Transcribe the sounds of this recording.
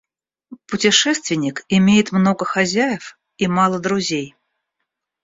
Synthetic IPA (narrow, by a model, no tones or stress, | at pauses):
pʊtʲɪʂɛst̪vʲɪnʲɪkɪmʲejɪt̪mnoɡəxazʲæjɪf | imɑlˠəd̪ɾʊzʲej